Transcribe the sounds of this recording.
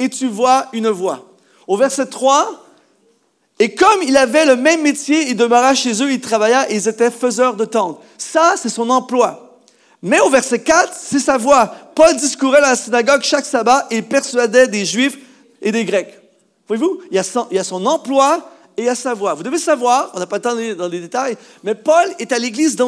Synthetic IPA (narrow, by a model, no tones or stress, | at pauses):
et̪yvwaynvwa | ovɛʁsɛt̪χwa | ekɔmilavɛləmɛ̃mːet̪jeild̪əməʁaʃezøilt̪χavajaeilzet̪ɛføzœːʁd̪ət̪ɑ̃d̪ʁ | sasɛsɔ̃nɑ̃plwa | mɛovɛʁsɛkʲat̪χsɛsavwapɔld̪iskuʁɛd̪ɑ̃lasinaɡɔɡʃaksabaʔeilpɛʁsɥad̪ɛd̪eʒɥif | ed̪eɡʁɛk | vwajevuilasɑ̃ilasɔ̃nɑ̃plwa | eilasavwavud̪əvesavwaːʁɔ̃napalət̪ɑ̃d̪ɑ̃led̪et̪aj | mɛpɔlet̪aleɡlizd̪ɑ̃